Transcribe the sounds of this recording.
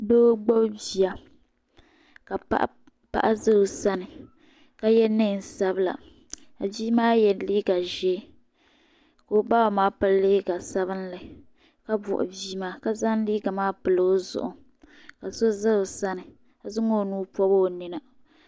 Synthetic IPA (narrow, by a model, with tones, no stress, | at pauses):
do˦ɡ͡bo˦bbi˨a˨ | ka˨a̰˦ʔ | pa̰˦ʔa˦zɨ˦ɾo˨sa˦nɨ˨ | ka˦jɛ˦nɨ˦n˨sa˦bɨ˦la̰˨ | ka˨biː˦maː˦jɛ˨liː˦ɡa˨ʒɛː˦ | ko˨˦˨ba˦˨maː˦pɨ˦lliː˦ɡa˨sa˦βɨ˦nla˨ | ka˦bʊ̰˨ʔʊ̰˨biː˦maː˦ka˨za˦nliː˦ɡa˨maː˦pɨ˨lo˦zʊ̰˦˨ʔʊ̰˨ | ka˨so˦zɨ˦ɾo˨sa˦nɨ˨ | ka˨zɨ˦ŋo˦˨nuː˦pɔ˦bo˦˨ni˨na˨